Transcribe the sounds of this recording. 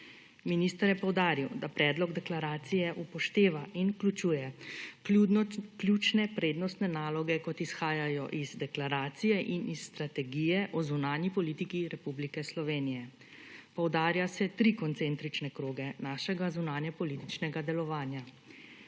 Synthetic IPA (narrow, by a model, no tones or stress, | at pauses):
minist̪əɾjɛpɔwd̪aːɾiwd̪apɾɛːd̪lɔɡd̪ɛklaɾaːt̪sijɛʔupɔʃt̪eːʋaʔinklʲut͡ʃuːjɛ | klʲjut͡ʃnɛpɾeːd̪nɔst̪nɛnaːlɔɡɛkɔt̪isxaːjajɔʔizd̪ɛklaɾaːt̪sijɛʔinʔisːt̪ɾat̪ɛɡijɛʔɔzunaːnjipɔliːt̪ikiɾɛpublikɛslɔʋeːnijɛ | pɔwd̪aːɾjasɛt̪ɾikɔnt̪sɛnt̪ɾit͡ʃnɛkɾoːɡɛnaːʃɛɡazunaːnjɛpɔliːt̪it͡ʃnɛɡad̪ɛlɔʋaːnja